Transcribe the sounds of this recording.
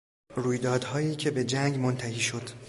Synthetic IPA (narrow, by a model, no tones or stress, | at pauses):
ruːjd̪ɒːd̪hɒːjiːcʰe̞be̞d͡ʒæŋɡmont̪ʰæhiːʃo̞d̪̥